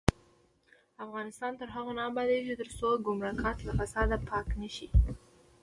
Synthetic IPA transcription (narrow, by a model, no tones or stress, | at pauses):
afɣɑnɪst̪ɑnt̪əɾɦaɣanɑmbɑd̪et͡ʃet̪əɾsoɡʊmɾɑkɑt̪lafasɑd̪apʰɑknəʃi